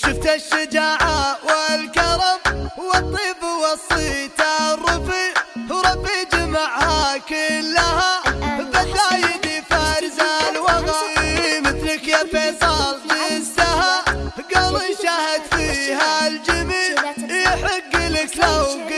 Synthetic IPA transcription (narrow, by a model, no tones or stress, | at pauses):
ʃʊft̪aʃːad͡ʒaːʕaʔwɪlkɑɾˤɑmwɪt̪ˤːiːbwɑsˤit̪arˤːʊfiɾˤɑbːid͡ʒmaʕhakɪlːahabad̪aːjɪd̪ifaɾzalwɑɣaʔmɪt̪lɪkjafesˤɑlt̪ˤisd̪ahaɡɑlˤːijʃahɪd̪fiːhald͡ʒɪmijħɪɡːlɪklawɡ